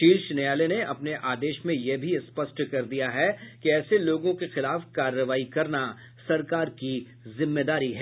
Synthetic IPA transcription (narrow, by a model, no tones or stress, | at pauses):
ʈiːlʃɪnejaːleneɐpneʔaːd̪eːʃmẽjebʱispɐsʈkɐɾd̪ijaɦɛkiɛːseloːɡõkexɪlaːfkaːɾːəʋaːikɐɾna | sɐɾkaːɾki | zɪmːed̪aːɾiɦɛː